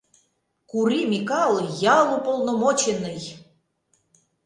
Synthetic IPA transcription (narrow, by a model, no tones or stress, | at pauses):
kuɾimʲikɑlˠjɑlˠupolˠnomot͡ɕenəj